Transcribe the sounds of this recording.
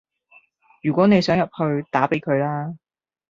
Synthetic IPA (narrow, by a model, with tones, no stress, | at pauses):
jyː˨˩kʷɔː˨˥ne˨˧jsœː˨˥ŋjɐ˨p̚hɵ˧ɥt̪aː˨˥pe˨˥jkʰɵ˨˧ɥlaː˥